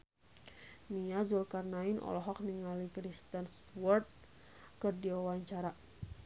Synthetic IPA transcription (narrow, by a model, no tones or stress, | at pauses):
niazulkarnainɔ̰lɔɦɔk̚niŋalikɾist̪əns | wɔrt̪̚ | kɨrdiawaɲt͡ʃaɾa